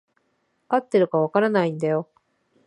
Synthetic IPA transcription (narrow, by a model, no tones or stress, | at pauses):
at̪ːe̞ɾɯ̟kaβ̞akaɾanaĩnd̪ajo̞